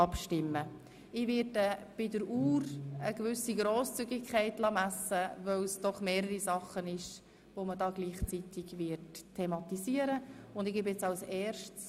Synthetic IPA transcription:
ɑpʃtɪmːə | ɪʋɪɾdəb̥ɪdəɾuːɾəɡ̥vʏsiɡɾoːst͡syɡɪkʰχɛɪtlɑmæsəvœwsd̥ɔχmeːɾəɾisɑχːənɪʃ | ʋomədɑːɡliːχt͡sitɪɡʋɪɾtʰːemɑt̪iziːəɾəʊndɪɡ̥eːbjɪt͡sɑwsɛːɾʃts

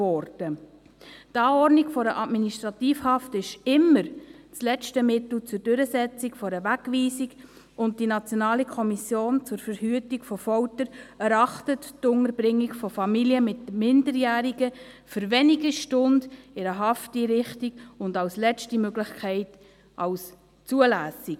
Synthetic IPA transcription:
ɔɾd̥ə | tɑːɔɾdniɡfɔɾəʔɑdminiʃtɾɑtiːfhɑftɪʃɪmːəɾt͡slɛt͡ʃtəmɪtl̩t͡sʊɾdøɾəsɛt͡sikfɔɾəʋækʋiːsiɡ | ʊnt̚d̥inɑt͡sjɔnɑːlikʰɔmisjoːnt͡sʊɾfəɾhyətikfɔfɔwtəɾɛɾɑχtəttʊŋəɾbɾɪŋːikfɔfɑmiljəmɪtmɪndəɾjæːɾiɡəfʏɾʋɛniɡəʃtʊndɪɾəɦɑftiɾɪχtiɡʊndɑwslɛt͡ʃtimøɡlɪχkʰɛɪt | ʔɑls | t͡suəlæːsik

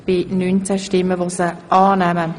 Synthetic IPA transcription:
b̥ɪnynt͡sæʃtɪmːəʋosəʔɑːnɛmə

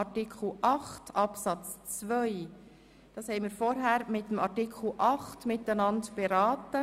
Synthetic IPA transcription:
ɑtikχl̩ˠʔɑχtɑpsɑt͡st͡sʋœʏ | d̥ɑːshɛɪmiːɾfɔɾɦæːɾmɪtːəmɑɾtɪkʰl̩ˠʔɑχtmɪtænɑndb̥eɾɑːtə

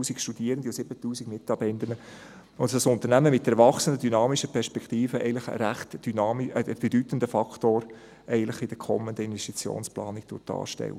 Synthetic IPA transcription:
uːsikʃtud̥iːɾənd̪iʊsɪbətuːsiɡmɪtːɑbɛndənə | ʊndɑsʊnt̪əɾnæməmɪt̚d̥ɛɾvɑχsəndədynɑːmiʃəpʰɛɾʃpɛkχt̪iːfəɛ̰ɪɡn̩lɪχə̰ɾæχtd̥ynɑːmiəəb̥ɛdytən̩dəfɑktoːɾ | ɛɪɡənlɪχɪd̥əɾkʰɔ̰mːənd̪əɪnʋɛstit͡sjo̰ːnsplɑ̰ːnik̚d̥ʊ̰ɾtːɑ̰ːʃtɛ̰lːə

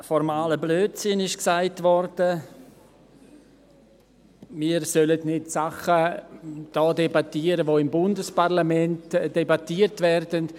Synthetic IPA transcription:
fɔɾmaːləbløːtsɪnɪʃksaɪtvɔɾd̥ə | miːɾsœlətnɪtsaχə | d̥ɔːdɛbatiːəɾəvoɪmbʊndəsparlamɛntd̥ebatiːəɾtvɛɾdənt

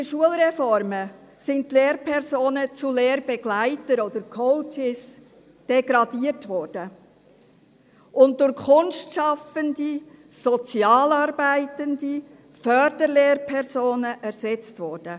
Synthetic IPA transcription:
ɪəʃuəlɾɛfɔɾmə | sɪntleːɾpʰɛɾsoːnət͡suleːɾbɛɡ̥læɪtəɾɔd̪əɾkʰɔʊt͡ʃɪs | d̥ɛɡɾɑdiərtʋɔrd̥ə | ʔʊnt̚d̥ʊɾkʰʊnʃtʃɑfəndisɔt͡sjɑːlɑːɾbæɪtəndi | fœɾd̥əɾleːrpʰɛɾzoːnəʔæɾsɛt͡stʋɔːɾd̥ə

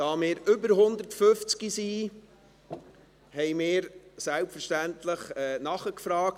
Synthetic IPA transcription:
d̥ɑːmɪːɾʏbəɾɦʊnd̪əɾtføft͡skisiː | hɛjmɪːɾsælpfəɾʃtænt̪ləχɛːnɑχəkfɾɑːk̚t

